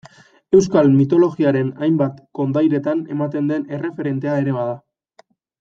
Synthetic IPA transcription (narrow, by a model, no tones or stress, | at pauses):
e̞wskalmit̪o̞lo̞ɣiaɾe̞najmbat̪ko̞nd̪ajɾe̞t̪ane̞̰mat̪e̞nd̪e̞ne̞re̞fe̞ɾe̞nt̪e̞aeɾe̞β̞aða